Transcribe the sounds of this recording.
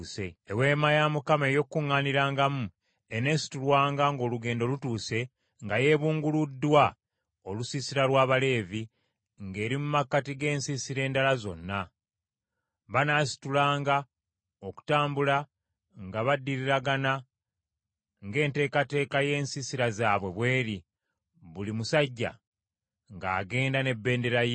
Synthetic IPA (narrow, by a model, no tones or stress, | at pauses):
seewe̞ːmajamukamejo̞kːuŋːaːniɾaːŋɡamu | ene̞si̥tulwaːŋɡaŋɡo̞ːluɡe̞ːndolutuːse̞ | ŋɡaje̞ːβuːŋɡuludːwa | o̞lusisiɾalwaːβale̞ːvi | ŋɡe̞ːɾimumakːatiɡe̞ːnsisiɾe̞ːndalazo̞̰nːa | βanaːsi̥tulaːŋɡa | oku̥taːmbula | ŋɡaβadːiɾiɾaɡana | ŋɡe̞ːnte̞ːkate̞ːkaje̞ːnsisiɾazaːβwe̞βwe̞ːɾi | βulimusaɟːa̰ | ŋɡaːɡe̞ːndane̞bːe̞ːnde̞ɾaj